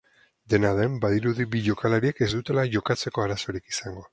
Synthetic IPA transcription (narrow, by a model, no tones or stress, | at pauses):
d̪e̞naðe̞mbaðiɾuðiβiʎo̞kalaɾie̞ke̞zd̪ut̪e̞laʝo̞kat͡se̞ko̞aɾaso̞ɾikisaŋɡo̞